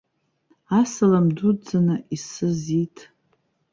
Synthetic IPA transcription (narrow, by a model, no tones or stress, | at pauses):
asalamdud͡zanɨʔisɨzitʰʼ